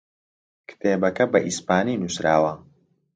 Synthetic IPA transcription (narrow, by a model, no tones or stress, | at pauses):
kʰɨ̥t̪ʰeːbɐkɐbɐʔispaːniːnusɾaːwɐ